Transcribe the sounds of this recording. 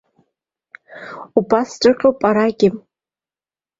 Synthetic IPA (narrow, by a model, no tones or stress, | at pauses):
ubasdʷʼɨqʲʼopʼaɾaɡʲɪm